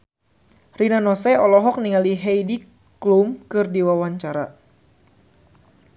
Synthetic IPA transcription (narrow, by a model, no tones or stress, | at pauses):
rinanɔsɛɔlɔɦɔk̚niŋaliɦɛjdi | klumkɨrdiwawaɲt͡ʃaɾa